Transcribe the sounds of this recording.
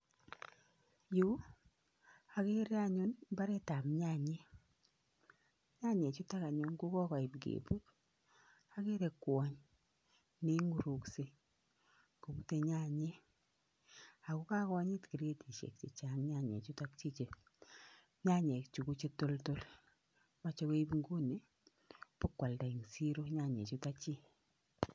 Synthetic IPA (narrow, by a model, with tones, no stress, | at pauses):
ju˦ | a˨ke˦ɾe˦a˦ɲu˦nmba˦ɾe˦ta˨mɲa˦ɲe˦ | ɲa˦ɲe˨t͡ʃu˦ta˦ka˨ɲu˨ŋɡu˦kɔ˦ka˨ɪ˨pɡḛbu˦t | a˨ke˦ɾe˨kwɔ˨ɲ | ne˦ŋɡu˨ɾu˨kse˦ | ko˨bu˦te˨ɲa˦ɲe˦ | a˨ku˦ka˦kɔ˦ɲi˦tki˨ɾe˦ti˨ʃḛ˨k̚t͡ʃe˨t͡ʃa˦ŋɲa˦˨ɲḛ˨t͡ʃu˦ta˦kt͡ʃi˦t͡ʃe˨ | ɲa˦ɲe˨kt͡ʃu˨ku˦t͡ʃe˦to˦lto˦l | ma˨t͡ʃo˦ke˦i˦bŋɡu˦ni˨ | pʊ˦kːwa˨lda˨i˨ŋsi˦ɾo˦ɲa˦˨ɲḛ˨t͡ʃu˦ta˦t͡ʃi˦